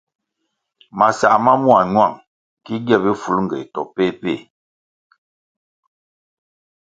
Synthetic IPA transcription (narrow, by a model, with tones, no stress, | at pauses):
ma˨sa̰˨ʔma˦mu˦a˨ɲwa˦˨ŋ | ki˦ɡjɛ˦˨bi˦fu˨lŋ̩˨ɡɛ̰˨tɔ̰˨pe˦pe˦˨